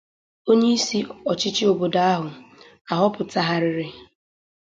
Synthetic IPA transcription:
o˦ɲe˦i˦si˦ɔ˨t͡ʃɪ˦t͡ʃɪ˦o˨bo˨da˦a˦ɦʊ˨ | a˨ɦɔ˦pʊ˨ta˦ɦa˦ɾɪ˨ɾɪ˦

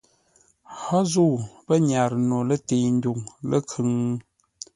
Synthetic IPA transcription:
hɔ˦zu˦˨bə˦ɲa˨ɾno˨lə˦te˨n̩˦du˨ŋlə̰˦kʰʉ˨ŋ˦

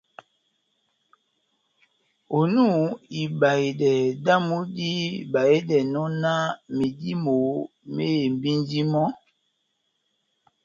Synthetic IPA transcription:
o˨nu˦˨i˨ba˨i˨dɛ˨da˦mu˦di˦˨ba˨i˦dɛ˨nɔ˦na˦mi˨di˦mo˨ | me˦e˨m˨bi˦ndi˦mɔ˦

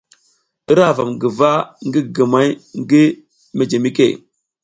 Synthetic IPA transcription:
ə˦ɾa˦˨va̰˨mɡə˨va˦ŋɡi˦ɡə˨ma˦jŋ˦ɡi˦ | me˨d͡ʒe˨mi˦kḛ˦˨

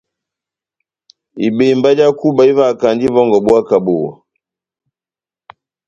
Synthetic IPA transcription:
i˨be˨mba˦d͡ʒa˦ku˦ba˨i˦va˦˨ka˨nd͡ʒi˦vɔ˦ŋɡɔ˨bu˦a˦ka˨bo˨wa̰˨

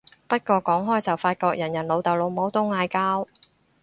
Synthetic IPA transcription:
pɐ˥t̚kɔː˧kɔː˨˥ŋɦɔː˥jt͡sɐ˨wfaː˧t̚kɔː˧k̚jɐ˨˩njɐ˨˩nlo˨˧wt̪ɐ˨wlo˨˧wmo˨˥wt̪ʊ˥wŋaː˧jkaː˥w

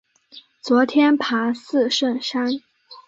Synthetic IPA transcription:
t͡swɔ˧˥t̪ʰjɛ˥npʰa˧˥sɹ̩˥˧ʂə˥˩nʂa˥n

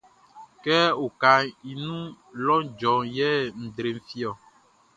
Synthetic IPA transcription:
kɛ˦o˨ka˨i˨nũ˦ | lɔ˦d͡ʒɔ˨jɛ˦n̩˨dɾe˨m˨fi˦ɔ˨

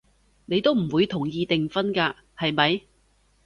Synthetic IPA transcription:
ne˨˧jt̪o˥wm̩˨˩wuː˨˧jt̪ʰʊ˨˩ŋjiː˧t̪ɪ˨ŋfɐ˥nkaː˧ | hɐ˨jmɐ˨j

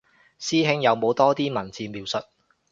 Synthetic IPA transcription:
siː˥ɦɪ˥ŋjɐ˨˧wmo˨˧wt̪ɔː˥t̪iː˥mɐ˨˩nt͡siː˨˧miː˨wsɵ˨t̚

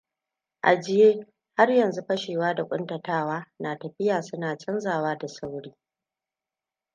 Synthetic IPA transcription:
ʔa̰˨d͡ʒɪ˦jeː˦ | ha˦rjɐ˨nzu˦ɸɐ˦ʃeː˨waː˦da˨kʷʼʊ˦ntɐ˨taː˦waː˦naː˨tɐ˨ɸɪ˦jaː˨sʊ˦naː˨t͡ʃʼɐ˦nzaː˨waː˦da˨sa˦wɽiː˦

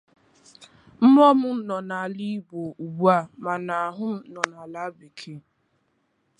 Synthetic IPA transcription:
m̩˦mɔ˦mʊ˦nɔ˨na˨li˦bo˨u˨bu˦a˦ma˨na˨a˨ɦʊ˦m̩˦nɔ˨na˨la˦bi˨kʰe˦

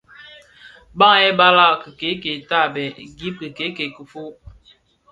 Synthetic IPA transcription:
ba˦ŋɛ˦ba˦la˦kə˨ke˨˦ke˨ta˦˨bɛ˨ɡi˦p̚kə˨ke˨˦ke˨kə˨fo˦

